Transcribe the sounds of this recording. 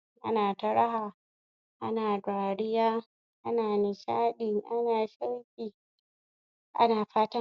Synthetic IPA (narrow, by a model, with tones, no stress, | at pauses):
ʔa̰˦naː˨tɐ˦ɾa˦ɦaː˨ | ʔa˦naː˨dʷaː˨ɽɪ˦jaː˦ | ʔa˦naː˨nɪ˨ʃaː˦ɗɪ˨ŋʔa˦naː˨ʃa˦wkʲiː˨ | ʔa̰˦naː˨ɸaː˦tɐ˦